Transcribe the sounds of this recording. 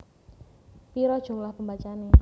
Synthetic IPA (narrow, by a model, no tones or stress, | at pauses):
piɾɔd̥ʒ̥ṳmlahpəmbat͡ʃane